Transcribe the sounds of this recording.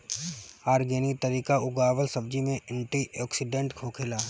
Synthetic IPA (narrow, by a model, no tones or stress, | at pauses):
aːɾɡeːnit̪əɾiːkaʊɡaːwəlsɐb̚d͡ʒimẽɪ̃ɳʈiʔɔːksɪɖẽːɳʈkʰoːkʰeːlaː